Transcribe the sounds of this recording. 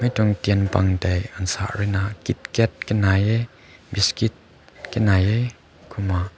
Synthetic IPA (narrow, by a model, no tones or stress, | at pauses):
mɛjtɔŋtiənpa̰ŋtɛjansa̰ʔrɛnakit̪̚kɛt̪̚kɛnajɛ | biskit̚ | kɛnajɛ | kʰʊmaʔ